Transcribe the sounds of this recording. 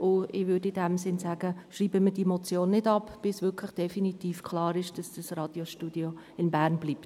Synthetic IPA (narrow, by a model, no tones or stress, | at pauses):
ʔʊɪʋʏdɪdɛmsɪnsæɡ̥əʃriːbəməd̥imot͡sjoːnːɪdɑpb̥ɪsʋʏkʰlɪχd̥ɛfinitiːfkʰlɑːɾɪʃd̥ɑsd̥ɑsrɑːd̥joʃtudio | ɪnbæːɾnbliːp̚t